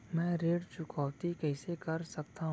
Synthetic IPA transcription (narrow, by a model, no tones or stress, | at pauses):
mɛ̃ːɾeːɽt͡ʃʊkʰɔːʋt̪ikɛɪsekɐɾsɐk̚t̪aɦ